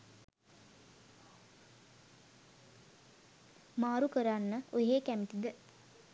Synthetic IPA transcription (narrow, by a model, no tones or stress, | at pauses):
maːɾukəɾanːəoɦeːkæmit̪id̪ə